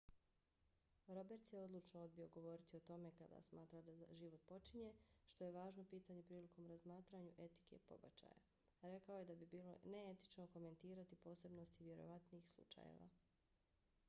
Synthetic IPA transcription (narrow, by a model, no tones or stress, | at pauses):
ɾo̞be̞ɾt̪sjeo̞d̪lˠut͡ʃnoo̞d̪̚bio̞ɡo̞ʋo̞ːɾit̪io̞t̪o̞me̞kad̪a̰smaːt̪ɾad̪aʒiʋot̪̚po̞t͡ʃiɲe̞ʃt̪o̞je̞ʋaːʒno̞piːt̪aɲepɾiːlikomɾazmaːt̪ɾaɲuʔe̞t̪i̥ke̞̰po̞̰ba̰t͡ʃa̰ja̰ | ɾe̞kaoje̞d̪abibiːlo̞̰ne̞et̪i̥t͡ʃno̞ko̞me̞nt̪iːɾat̪ipo̞ːse̞bnost̪iʋje̞ɾo̞̰ʋat̪niːxslˠṵt͡ʃa̰jḛʋa̰